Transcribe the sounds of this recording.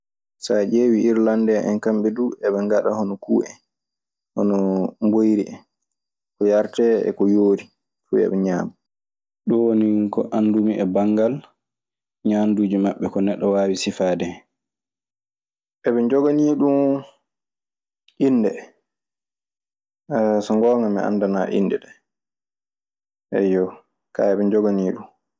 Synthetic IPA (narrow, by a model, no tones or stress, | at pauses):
sad͡ʒeːwiʔiɾlandɛʔɛnkamɓɛduːɛɓɛŋɡaɗahɔnɔkuːʔɛ̰ | hɔnɔmbojɾiʔɛ | kɔjaɾtɛɛ̰kɔjoːɾi | fṵɛ̰ɓɛɲaːma | ɗɔwonikɔʔandumiʔɛbaŋɡal | ɲaːnduːd͡ʒimaɓːɛkɔnɛɗːɔwaːwisifaːdɛ | ɛɓɛnd͡ʒɔɡaniɗum | ʔinːdɛ | sɔŋɡɔːŋɡamɛ̰a̰ndana̰ːʔḭnːdɛɗɛ | ɛ̰jɔ | ka̰ɛɓɛd͡ʒɔɡaniːɗum